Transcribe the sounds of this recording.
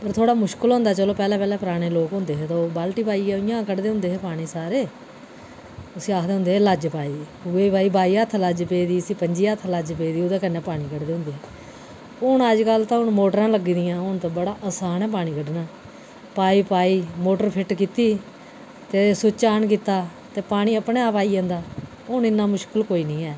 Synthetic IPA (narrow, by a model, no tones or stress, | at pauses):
pəɾt̪ʰoːɽaːmʊʃkəlɦʊ̃nd̪aːt͡ʃəloːpɛːlɛ̃ːpɛːlɛ̃ːpəɾaːɽ̃eːloːkɦʊ̃nd̪eːɦːt̪obaːlʈiːpaːiːɛːɪjãːkəɖd̪eːɦʊ̃nd̪eːeːpaːɽ̃iːsaːɾeː | ʊsĩːaːkʰd̪eːɦʊnd̪eːləd͡ʒpaːiː | ʊeːbaːiːbaːiːət̪ʰləd͡ʒpeːd̪iːəsĩːpəɲd͡ʒiːət̪ʰləd͡ʒpeːd̪iːʊd̪ẽːkənːeːpaːɽ̃iːkəɖd̪eːɦʊ̃nd̪eːɦɛː | ʊɳəd͡ʒkəlt̪ãːɦʊnmoːʈəɾãːləɡiːd̪ɪjãːʊnt̪õːbəɽaːʔəsaːnɛːp̬aːɽ̃iːkəɖnaː | paːiːpaːiːmoːʈəɾpʰɪʈkiːt̪iː | t̪eːsʊt͡ʃaːnk̬iːt̪aː | t̪eːpaːɽ̃ĩːəpɳeːaːpaːiːɛ̃ːnd̪aː | ʊnɪnːaːmʊʃkəlkoːiːnĩːɛː